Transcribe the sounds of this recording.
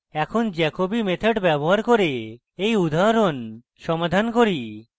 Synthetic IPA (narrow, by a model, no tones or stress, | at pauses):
ɛkʰond͡ʑɛkobimet̪ʰeʈbɛboɦaɾkoɾe | ejud̪ʱaɾon | ʃɔmad̪ʱankoɾi